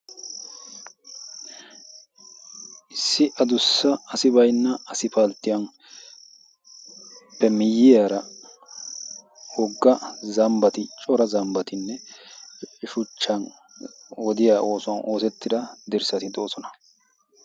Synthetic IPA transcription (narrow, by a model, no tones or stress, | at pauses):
ʔɪsːɪʔɐd̪ʊsːɐɐsɪbɐjnːɐɐsɪpalt̪ːɪjɐn | pːɛmɪjːɪjaːɾɐ | wɔɡːɐzɐmbɐt̪ɪt͡ʃʼɔɾɐzɐmbɐt̪ɪnːɛ | ʃʊt͡ʃːɐn | wɔd̪ɪjaːʔo̞ːsʊɐnʔo̞ːsɛt̪ːɪd̪ɐd̪ɪɾsɐt̪ɪd̪o̞ːsɔnɐ